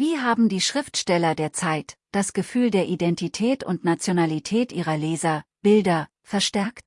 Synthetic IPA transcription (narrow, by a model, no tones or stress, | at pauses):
viːɦaːbm̩diːʃʁ̥ɪftʃtɛlɐdeːɐt͡saɪtd̥asɡ̥əfyːldeːɐʔidɛntitʰɛːtʊ̰ntnat͡sjonalitʰɛːtʔiːʁɐleːzɐb̥ɪldɐ | fɛɐʃtɛɐkt